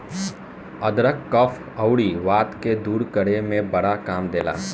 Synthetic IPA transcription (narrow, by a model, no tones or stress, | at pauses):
ɐd̪ɾəkːɐfʰ | ɐʊɽiʋaːt̪ked̪uːɾkəɽemẽbɐɽakaːmd̪eːla̰ː